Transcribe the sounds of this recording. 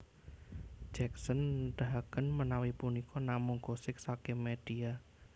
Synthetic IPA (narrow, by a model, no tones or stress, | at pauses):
d͡ʒɛksənɖ̥aɦakənmənawipunikʰɔnamʊŋɡ̥osɪk̚sakemeɖ̥ia